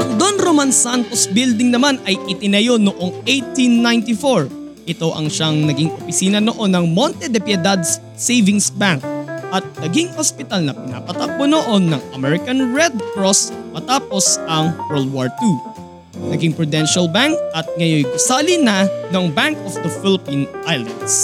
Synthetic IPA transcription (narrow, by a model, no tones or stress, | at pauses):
ʔɐŋd̪onɾomansant̪o̞sbild̪ɪŋnɐmanɐjʔɪt̪ɪnɐjo̞noʔo̞ŋʔejt̪inːajnt̪ɪfoɹ | ʔɪt̪o̞ʔɐ̰ŋʃaŋnɐɡiŋʔopɪsiːnɐnoʔo̞nːɐŋmo̞nt̪ɛd̪ɛpjɛd̪ad̪s | sejvɪŋsbaŋk̚ʔɐt̪̚nɐɡiŋospɪt̪alnɐpɪna̰pɐt̪ɐk̚bonoʔo̞nːɐŋʔɐmɛɹɪkɐnɹɛd̪̚kɹosmɐt̪aːpo̞sɐŋwɛld̪̚waɹt̪u | nɐɡiŋpɹʊd̪ɛnʃɐlbaŋk̚ʔɐt̪̚ŋɐjojɡʊsaːlinɐnɐŋbaŋkofd̪ɐfɪlɪpinʔajlɐ̰nd̪s